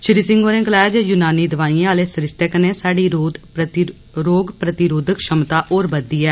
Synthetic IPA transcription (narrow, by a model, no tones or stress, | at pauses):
ʃɪɾiːsɪ̃ŋɡoːɾẽːkəlɛːd͡ʒjʊnaːniːd̪əʋaːĩaːleːsəɾɪst̪əkneːsaːɖiːɾod̪ | ɾoːɡpɾət̪ɪɾoːd̪ʱəkʃəmt̪aːʔoːɾbəd̪iːɛː